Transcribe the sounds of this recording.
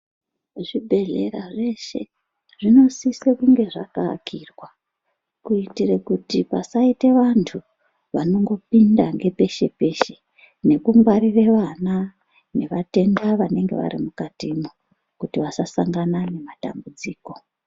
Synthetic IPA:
ʐibʱe̞ɮḛɾaʐe̞ʃe̞ | ʐ̥ino̞sisekuŋɡe̞ʐa̰kakʰirwa | kuitirekutipasaiteʋantʰu | ʋano̞ŋɡo̞pindaŋɡe̞pe̞ʃe̞pe̞ʃe | ne̞kuŋɡwaɾireʋana | ne̞ʋate̞ndaʋane̞ŋɡe̞̰ʋa̰ɾimukatimo | kutiʋasasaŋɡanane̞mata̰mbud͡ziːko̞

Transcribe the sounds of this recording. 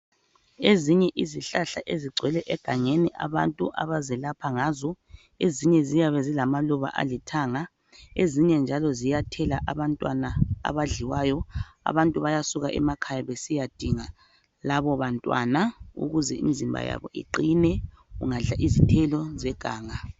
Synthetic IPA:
eziɲɛʔiziɬaɬaʔeziɡ͡ǀʱwɛlɛʔɛɡ̥ʱaŋeniʔa̰βantʼuʔa̰βazɛlapʰaŋaːzɔ | eziɲɛzijaβɛzilamaluβa̰ʔa̰litʰaːŋa | eziɲɛnd͡ʒʱalɔzijatʰɛlaʔaβantʼwanaa̰βaɮiwaːjɔa̰βantʼuβajasuɣaʔɛ̰makʰajaβesijad̥ʱiŋa | laβɔβantʼwa̰naṵɣuzɛḭm̩zimbʱa̰ja̰βɔ̰ʔḭǃinɛ | ṵŋaɮaʔizitʰɛlɔzɛɡ̥ʱaːŋa

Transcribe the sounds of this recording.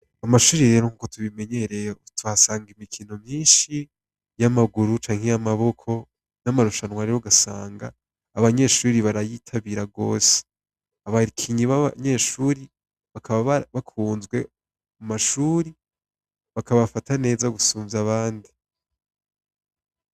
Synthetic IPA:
amaʃuːɾiɾe̞ɾo̞ŋuːkotʰuβime̞ɲeɾetuβasaːŋɡimikʰino̞mɲiːnʃi | jamaɡuɾut͡ʃaːŋ̥hejamaβo̞kʰo̞ | namaɾuʃanwaɾiɾoɡasaːŋɡa̰ː | βaɲe̞ʃuːɾiβaɾajitʰaβiɾaɡo̞̰ːse̥ | aβakʰiɲiβaβ̰ɲe̞ʃuːɾi | βakʰaβaββakʰuːnzɡwe̞ | umaʃuːɾi | βakaβafatane̞ːzaɡusuːɱvaβaːndi

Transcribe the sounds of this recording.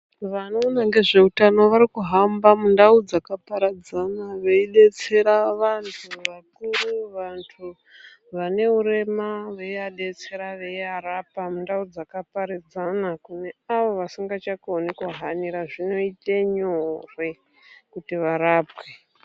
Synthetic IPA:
ʋano̞ːnaŋɡe̞ʐe̞utano̞ʋaɾikuɦambamundaud͡zakapaɾad͡zanaʋeiɗe̞t͡se̞ɾaʋantʰuʋakuruʋantʰu | ʋane̞uɾe̞maʋeiaɗe̞t͡se̞ɾaʋeiaɾapamundaud͡zakapaɾid͡zanakune̞aʋo̞ʋasiŋɡat͡ʃakonikuɦaniɾaʐino̞iteɲorwe̞ | kutiʋaɾaːpwe̞

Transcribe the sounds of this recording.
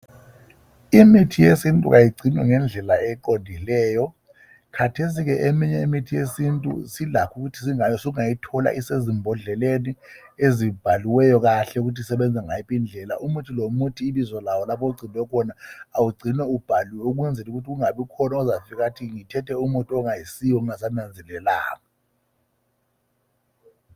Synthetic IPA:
imitʰijesintʼṵk̬ajiɡ͡ǀʱinwɛ̰ŋɛnd͡ɮʱɛlaɛǃondʱilɛːjɔ | kʰatʰes̬ik̬ɛʔemiɲɛimitʰijesintʼṵsilakʰuk̬utʰi̥s̬iŋajɔsouŋajitʰɔla̰ʔisezimbʱɔɮɛleni | ezib̥ʱaliwɛjɔk̬aɬɛuk̬utʰisɛɓɛnd͡zʱaŋajipʼind͡ɮʱɛla̰ʔumutʰilomutʰiːɓizɔlawɔlapʰɔuɡ͡ǀʱinwɛkʰɔnaːwuɡ͡ǀʱinɛub̥ʱaliwɛuk̬wɛnd͡zʱɛluk̬utʰik̬uŋaɓikʰɔnaɔzafik̬atʰiŋitʰɛtʰʼɛumutʼuɔŋajisijwɔnas̬anand͡zʱɛlɛla̰ːkɔ

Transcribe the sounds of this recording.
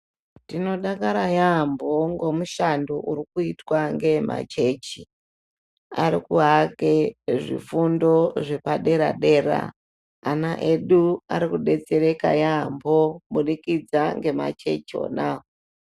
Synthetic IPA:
tino̞ɗakaɾajamboŋɡo̞muʃandoʔuɾikuitwaŋɡe̞ma̰t͡ʃe̞ːt͡ʃi | aɾikuɦakeʐḭfundo̞ʐe̞paɗe̞ɾaɗe̞ːɾa̰ː | naʔe̞ɗua̰ɾikuɗe̞t͡se̞ɾeka̰jambomuɗikid͡zaŋɡe̞ma̰t͡ʃe̞t͡ʃio̰nao

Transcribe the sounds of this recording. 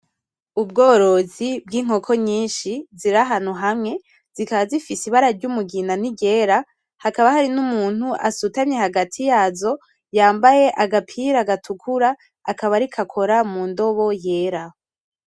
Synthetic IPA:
ub̚ɡo̞ːɾo̞zib̚ɡiːŋ̥ho̞kʰo̞ɲiːnʃiziɾaɦan̥huɦamŋe̞ | z̥ikaβazifisiβaɾaɾɟumuɡinaniɡe̞ɾa | hakaβahaɾinumuːn̥huʔa̰sutaɲɲe̞haɡatʰijaːzo̞ | jaːmbaje̞ʔaɡapʰiɾaɡatʰukʰuɾaː | kaβaɾikʰakʰo̞ɾamuːndo̞βo̞je̞ːɾa

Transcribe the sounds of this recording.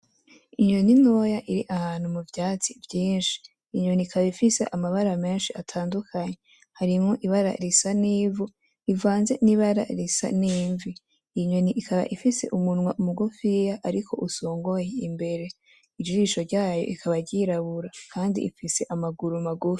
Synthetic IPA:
iɲonino̞jaʔiɾiʔahaːn̥humuvjaːt͡sivjiːnʃi̥ː | ɲo̞nikʰaβaifise̞̰ʔamaβaɾame̞ːnʃiatʰaːndukʰaɲe̞ | haɾimŋo̞ʔiβaɾa̰ɾisaniːvu | ivaːnze̞niβaɾa̰ɾisa̰niːɱviː | ɲo̞niʔikʰaβa̰ʔifise̞ʔumunwaʔumuɡufijaʔaɾikʰo̞̰ʔuso̞ːŋɡo̞jeimbe̞ɾe̞ | id͡ʒuiʃo̞ɾɟaːjo̞ʔikʰaβaɾɟiɾaβuɾakʰaːndḭʔifise̞ʔamaɡuɾumaɡufi̥

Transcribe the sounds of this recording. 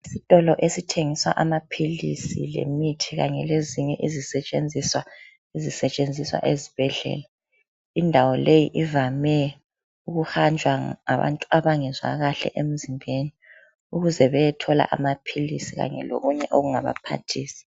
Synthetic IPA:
isitʼɔlɔʔesitʰeŋiswaʔamapʰilḭsilḛmitʰiɣaɲɛleziɲɛ̰ʔizisɛt͡ʃʼend͡zʱiswa | izisɛt͡ʃʼend͡zʱiswa̰ʔeziβ̥ɛɮɛ̰ːla | indʱawɔlejiʔivamɛ | uɣuxand͡ʒʱwaa̰βa̰ntʼuaβaŋɛzwa̰ɣaɬɛ̰ʔem̩zimbʱeni | uɣuzɛβɛjɛtʰɔla̰ʔamapʰilisiɣa̰ɲɛ̰lo̰ɣuɲɛʔoɣuŋaβa̰pʰa̰tʰiːsi̥

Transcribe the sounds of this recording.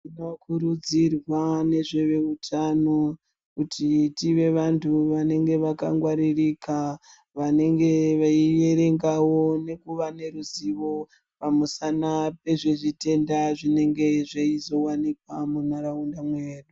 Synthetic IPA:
inokʰuɾud͡zirwane̞ʐe̞ʋe̞utʰano | kutʰitiʋe̞ʋantʰuʋane̞ŋɡe̞ʋaka̰ŋɡwaɾirika | ʋane̞ŋɡe̞ʋaie̞ɾe̞ŋɡawo̞ne̞kuʋane̞ɾuziʋo̞ | pamusanape̞ʐeʐite̞ndaʐine̞ŋɡe̞ʐeizo̞wanikwamunaɾaundamweːɗu

